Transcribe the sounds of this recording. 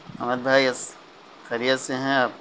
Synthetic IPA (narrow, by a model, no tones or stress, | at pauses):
ɐməd̪̚bʱaːiɐs | xɐɾijət̪seɦɛ̃aːp